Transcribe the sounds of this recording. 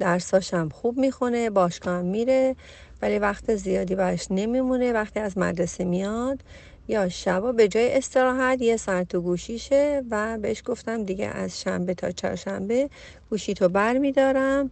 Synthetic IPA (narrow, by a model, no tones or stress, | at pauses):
d̪̥æɾsɒːʃæmxuːbmiːxunebɒːʃkʰɒːæmːiːɾe̞ | vælivæxt̪ʰezijɒːd̪iːbæɾɛʃne̞mimune̞væxt̪ʰiːæzmæ̰d̪ɾesimijɒd̪̥ | jɒːʃæbɒːbe̞d͡ʒɒːjeʔest̪e̞ɾɒːɦæd̪jesæɾt̪ʰoɡuːʃiʃevæbeeʃɡ̥oft̪æmd̪iɟḛʔæ̰z̥ʃæmbe̞t̪ʰɒ̰ːt͡ʃʰɒ̰ːɾʃæmbe̞ | ɡ̥uːʃiːt̪ʰobæɾmiːd̪ɒːɾæm